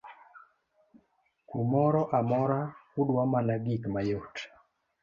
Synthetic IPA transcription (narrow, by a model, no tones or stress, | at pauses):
kumɔɾɔʔamɔɾakudwamalaɡikmajot